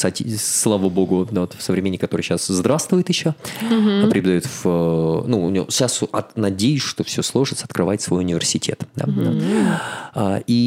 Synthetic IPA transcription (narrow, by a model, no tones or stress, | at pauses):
satʲislˠavəbo̞ɡʊd̪aot̪fsəvɾʲɪmʲenʲːɪkːɐt̪oɾɨjɕaszd̪ɾafst̪vʊjɪt̪jɪɕːopəpɾʲɪbʲd̪ɐjut̪vnuʊ̰n̰ʲɕasʔɐtnɐdʲejʊsʲʂt̪o̞fsʲoslˠo̞ʐɨt̪səɐt̪kɾɨvajɪt̪ʲsvo̞jʊnʲɪvʲɪrsʲɪtʲʰe̞t̪d̪a̰a | ai